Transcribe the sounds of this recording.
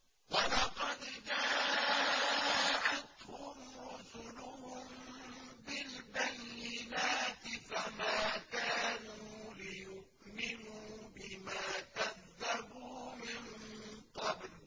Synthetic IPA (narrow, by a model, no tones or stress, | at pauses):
walɑqɑd̪d͡ʒaː | ʕat̪hʊmɾʊsʊlʊhʊm | bɪlbajːɪnaːt̪ɪfamaːkaːnuːlɪjʊʔnɪmubɪmaːkaðːabuːmɪnqɑbl